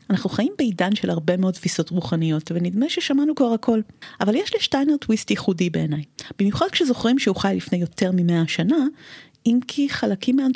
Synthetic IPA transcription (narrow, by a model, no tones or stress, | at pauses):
anaχnuχajimbeidanʃelhaʁbe̞meo̞d̪̚t̪fiso̞tʁuχanijo̞tvenidmeʃeʃamanukvaʁhakʰo̞lavaljeʃliʃtajneʁtwistjiχudibe̞ːnajb̥imjuχad̥̚kʃezo̞χʁimʃehuχajlifne̞jo̞te̞ʁmimeaʃana | imkʰiχalakimːean